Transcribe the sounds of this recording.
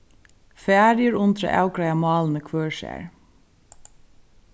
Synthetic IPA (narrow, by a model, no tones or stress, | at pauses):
fæːɾjəɾʊnt̪ɾa̰ʔa̰ːwkɾajamɑːlnəkʰvœːɹʃɛ̰ːɹ